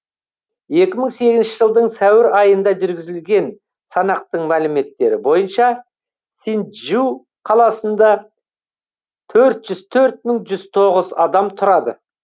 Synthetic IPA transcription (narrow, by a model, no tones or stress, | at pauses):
je̞kʲɪməɴse̞ɡʲɪznʃɪʒəlˠd̪əɴsæwɪɾɑjənd̪ɑʒʏɾɡʲɪzɪlɡʲe̞n | sɑnɑq̚t̪əɴmælɪme̞t̪ːe̞ɾɪbo̞jənʃɑ | sinʒu | qʰɑlˠɑsənd̪ɑ | t̪ʰɵɾt̪ʒ̥ʏzt̪ʰɵɾt̪̚məŋʒʏzt̪ʰo̞ʁəzɑd̪ɑmt̪ʰʊɾɑd̪ə